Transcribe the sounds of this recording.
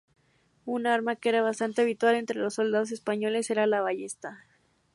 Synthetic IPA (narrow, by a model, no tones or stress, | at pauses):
unaɾmakee̞ɾaβast̪ant̪e̞aβ̞it̪wale̞nt̪ɾe̞lo̞sːo̞ld̪aðo̞s̬e̞spaɲo̞le̞se̞ɾalaβaʝe̞st̪a